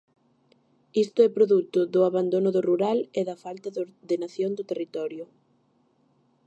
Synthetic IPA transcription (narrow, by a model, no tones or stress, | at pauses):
ist̪ʊɛpɾoðut̪ʊðʊaβand̪onʊðʊruɾalɛðɐfalt̪ɐðoɾðenaθjond̪ʊt̪erit̪ɔɾjʊ